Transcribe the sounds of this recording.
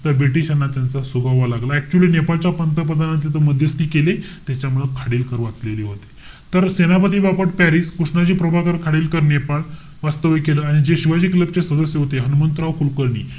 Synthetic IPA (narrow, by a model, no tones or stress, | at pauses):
t̪əɾbɾiʈiɕanːat̪jant͡sasubʱaʋalaɡlaɛk̚t͡ɕuəliːnepalt͡ɕjapənt̪əp̬əd͡zanat̪̬iːt̪oməd̪ʱjəst̪iːkelet̪jat͡ɕjamuɭəkʰaɽiːlkəɾʋat͡sleliɦot̪e̥ | t̪əɾsenapət̪̬iːbapəʈpɛɾiskuʂɳad͡ʑiːpɾəbʱakəɾkʰaɽiːlkəɾnepal | ʋast̪əʋəkeləːaɽ̃id͡zeɕiʋad͡ʑikləp̚t͡sesəd̪əsjeɦot̪eɦənumənt̪ɾaʋkulkəɾɳḭː